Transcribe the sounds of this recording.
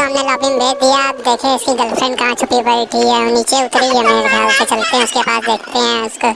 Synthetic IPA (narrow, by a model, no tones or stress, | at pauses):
ɦɐmnelɔːbɪ̃ŋb̪ʱeːk̚ʰd̪ijaːpd̪eːkʰẽɪskiɡɐlpsənkaãt͡ʃʰʊpibəiʈ̪ʰiɦɛniːt͡ʃeʊt̪ɾijameːɾɡ̪ʱaʊset͡ʃɐlt̪eɦɛ̃ʊskepa̰ːsd̪eːkʰt̪eɦɛ̃ʊsko